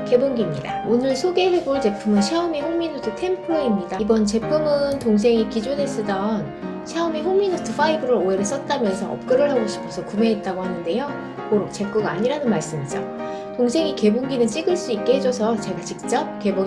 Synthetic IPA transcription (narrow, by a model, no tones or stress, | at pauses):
ke̞boŋɡimɲida̰onɯɭsʰoɡe̞ɦe̞boɭt͡ɕe̞pʰɯmɯnɕʰeomiɸoŋminotʰɯtʰe̞mpʰoeimɲidaibʌnt͡ɕe̞pʰɯmɯntoŋs̬ʰe̞ŋikid͡ʑonɦe̞s͈ɯdʌn | ɕʰeomiɸoŋminotʰɯfʰaibɯɾɯɾoeɾes͈ʌt̚t͈amjʌnsʰʌʌ̰p̚k͈ɯɾɯɭɦaɡoɕʰi̥pʰʌsʰʌkume̞it̚t͈aɡohanɯnde̞jo | koɾok̚t͡ɕe̞k͈uɡaaɲiɾanɯnmaɭs͈ɯmid͡ʑʌ̰ | toŋsʰe̞ŋike̞boŋɡinɯnt͡ɕ͈iɡɯɭs͈uik͈̚e̞hed͡ʑʌsʰʌt͡ɕe̞ɡat͡ɕik̚t͡ɕ͈ʌp̚ke̞bo